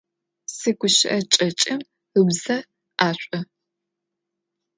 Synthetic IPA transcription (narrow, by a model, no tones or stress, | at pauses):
sɨɡʷʊʃɪʔɐt͡ʃʼɐt͡ʃʼɪm | ɨbzɐ | ʔaːɕʷʼɐ